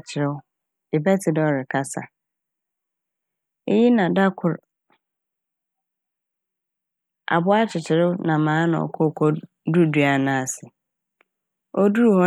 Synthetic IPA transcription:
t͡ɕʰɪ˨ɾɪ˦w | ɪ˨bɛ˦tʰɪ˨dɔ˦˨ɾɪ˨kʰa˦sa̰˨ | ḛ˦ji˦nã˨da˦kʰʊ˨ɾ | ʔa̰˨bʊ˦a˦t͡ɕʰɪ˨t͡ɕʰɪ˨ɾɪ˦ʊ˦nã˨mãː˨˦nã̰˨ɔ̰˨kʰɔ˦˨kʰɔ˦ | du˦du˨a˨nãː˨sɪ˨ | ɔ˦du˦ɾhɔ̃˦

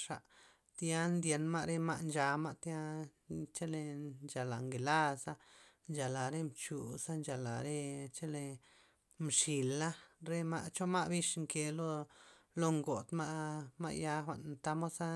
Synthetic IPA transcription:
ʂa˨ʔ | t̪ja˦nd̪je˧nma˦ʔɾe˦ma˦˧ʔnd͡ʒa˧ma˦ʔt̪ja˦t͡ʃe˦le˧nd͡ʒa˨la˨ŋɡe˨la˦˧sa˦ | nd͡ʒa˨la˨ɾe˦mt͡ʃu˨sa˦nd͡ʒa˨la˨ɾe˦t͡ʃe˦le˧ | mʂi˨la˦ɾe˦ma̰˦ʔt͡ʃo˦ma˦ʔbi˦ʂŋke˧lo˦˧lo˧ŋɡo˨t̪ma˦ʔma̰˧ʔja˦xʷa̰˨ʔnt̪a˦mo˦sa˦

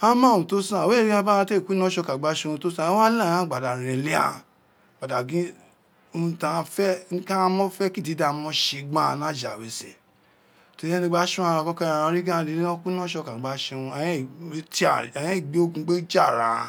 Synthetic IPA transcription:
ã˦mã˦˨ũ˨to˦sã˦˨we˦˨ɾi˦a˧ba˦ã˧te˦˨ku˦nɔ̃˦ʃɔ˧ka˨ɡ͡ba˨˦ʃũ˧ũ˧to˦sã˦˨˦ã˦lã˦˨ã˦˨ɡ͡ba˨da˨ɾ̃ɛ̃˨le˦a̰˧˨ | ɡ͡ba˨da˨ɡĩ˨˦ | o˧ũ˧tã˧fɛ˦n̩˦ka˦˧˦mɔ̃˦fɛ˦ki˦di˨˦da˧mɔ̃˧˦ʃe˧ɡ͡bã˦˧nã˦˨d͡ʒa˨we˨sɛ˨ | to˨˧˦ɛ˦nĩ˧ɡ͡ba˦ʃũ˦ã˦˧ã˧kɔ˦kɛ˦a˨˧ã˧˦ɾi˦ɡã˦˧di˧nĩ˦nɔ̃˦ku˦nɔ̃˦ʃɔ˧ka˨ɡ͡ba˨˦ʃẽ˧ũ˧ã˨˦˨ti˦a˨ɛ˨jɛ̃˦i˦˨ɡ͡be˨˦o˦kũ˧˦ɡ͡be˦d͡ʒa˦˨ɾa̰˨

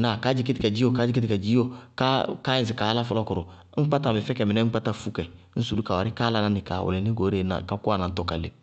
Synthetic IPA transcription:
na˨ka˦d͡ʒi˦ke˦ti˦˨kɛ˨d͡ʒi˦jo˨ka˦d͡ʒi˦ke˦ti˨kɛ˨d͡ʒi˦jo˦ka˦ka˦ĩ˨s̬i˨ka˨˦la˦fɔ˦lɔ˦kɔ˨ɾo˨ | ŋ̩˦k͡pa˦ta˨bɛ˨fɛ˦kɛ˨mĩ˨nɛ̃˦ŋ͡m̩˦k͡pa˦ta˦fu˦kɛ˨ | n̩˦su˨lu˦ka˨wa˨ɾi˦ka˦la˦nã˦ni˨ka̰˨wo̰˨le˨ni˦ɡo˨˦ɾe˦na̰˨ka˦ko˦a˨nã˨n̩˦tɔ˨ka˨lḛ˨

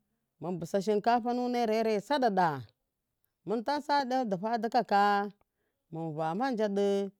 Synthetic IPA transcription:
mə˨nbu˨sa˨ʃ̬i˦nka˦ɸa˦nu˦ne˦ɾe˦ɾe˦˨sa˦da˨da˨ | mə˦nta˦sa˦da˦di˨ɸa˦di˦ka˦ka˦ | mə˨n˨va˨ma˦n˦d͡ʒa˦də˦

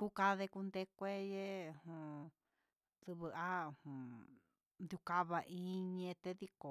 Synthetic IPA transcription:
ku˦ka˧ðe˧ku˧nd̪e˧kʷe˦je˦˧hũ˧ | sɨ˧βɨ˧a˦˧hũ˨˧ | nd̪ju˧ka˧βa˧ʔĩ˦˧˦ɲẽ˧t̪e˦ði˦ko˨

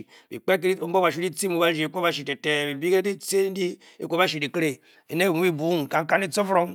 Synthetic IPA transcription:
bḭ˨k͡pe˦k̬e˦i˦o˦o˦a˨ʃu˦i˦t͡si˦mu˦ba˦d͡ʒi˨e˨ko˦ba˦ʃ̬i˨te˨te˨bi˨bi˦ke˦di˦t͡se˦di˦ | e˨ko˦a˦ʃ̬i˨di˨kɾe˨ | e˨ne˦˨u˨˦bi˦bu˨˦ŋ˨ka˨ŋ˦ka˦n˦i˦t͡so˦fɾo˦ŋ

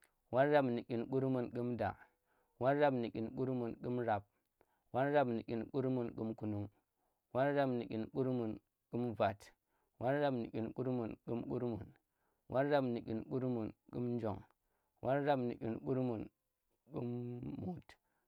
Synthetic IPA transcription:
wa˦ɾɾa˦bni˨kʲi˨nku˦ɾmu˨nku˦mda̰˨ | wa˦ɾɾa˦bni˨kʲi˨nku˦ɾmu˨nku˦mɾa˨b̚ | wa˦ɾɾa˦bni˨kʲi˨nku˦ɾmu˨nku˦mku˨nu˦ŋ | wʔa˦ɾɾa˦bni˨kʲi˨nku˦ɾmu˨n | ku˦mva˨t | wʔa˦ɾɾa˦bni˨kʲi˨nku˦ɾmu˨nku˦mku˦ɾmu˨n | wʔa˦ɾɾa˦bni˨kʲi˨nku˦ɾmu˨nkṵ˦mn˦d͡ʒo˨ŋ | wʔa˦ɾɾa˦bni˨kʲḭ˨nku˦ɾmu˨n | ku˦mːu˨t

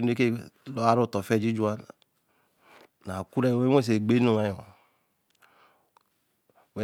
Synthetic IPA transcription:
n˦e˦ke˦lo˦a˦ɾu˦˨tɔ˨fɛ˦˨d͡ʒi˦d͡ʒu˦a˦˨ | na˨ku˦ɾe˦˨˦we˦e˦s̬e˨ɡ͡be˦no˦˨ma˨˦j | we˨

